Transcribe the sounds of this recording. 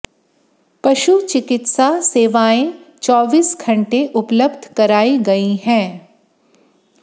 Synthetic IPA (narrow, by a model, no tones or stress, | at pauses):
pɐʃut͡ʃɪkɪt̪saseːʋaːẽt͡ʃɔːʋiːsɡʰʱɐ̃ɳʈeʔʊpləbd̪ʱkɐɾaːiɡɐiɦɛ̃ː